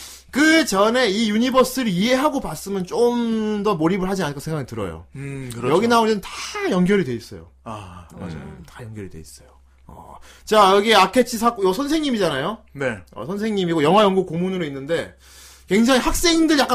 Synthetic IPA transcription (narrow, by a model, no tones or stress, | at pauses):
kɯt͡ɕʌne̞ijuɲibʌs͈ɯɾie̞ɦaɡopas͈ɯmjʌnt͡ɕ͈omdʌmoɾibɯɭɦad͡ʑianɯkasʰeŋɡaɡitɯɾʌ̰jo̰kɯjʌɡinaoɲiɯntḁjʌŋɡjʌɾidwe̞is͈ʌ̰jo̰ | tajʌŋɡjʌɾidwe̞̰ḭs͈ʌjo | ʌ̰t͡ɕajʌɡieakʰe̞t͡ɕʰisʰak͈ojʌsʰʌnsʰe̞ŋɲimid͡ʑanajoneʌ̰sʰʌnsʰe̞ŋɲimiɡojʌŋɦwajʌŋɡukomunɯɾoinːɯnde̞ | kwe̞ŋd͡ʑaŋihak̚s͈e̞ŋindɯɭjak͈a